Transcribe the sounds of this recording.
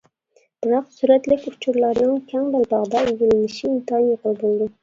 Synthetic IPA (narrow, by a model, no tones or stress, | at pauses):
b̥ɪɾɑqsuɾæt̪lɪkʲʊ̥t͡ʃʰuɾlˠɑɾnɪŋkʲʰæŋbɑlbɑʁd̪ɑɪjʲelɪnɪʃɪːmt̪ɑnjaqəlˠb̪olˠd̪ɪ